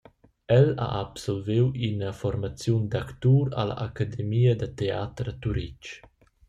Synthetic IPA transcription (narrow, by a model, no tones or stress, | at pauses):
ɛla̰ʔːpsɔlvewinəfɔɾmat͡sjund̪akt̪uɾa̰la̰ʔakad̪emiːəd̪ət̪eat̪ɾət̪uɾit͡ʃ